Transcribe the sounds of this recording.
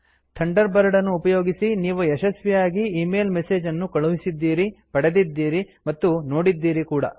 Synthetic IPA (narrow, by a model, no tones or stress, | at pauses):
t̪ʰɐɳɖɐɾbɐɾɐɽɐnːuːpɐjo̞ːɡisiniːʋuɛʃɐsʋijaːɡiiːmeːlmɛse̞ːd͡ʒɐnːukɐɭuʋisid̪ːiːɾipɐɽed̪id̪ːiːɾimɐt̪ːuno̞ːɽid̪ːiːɾikuːɽɐ̰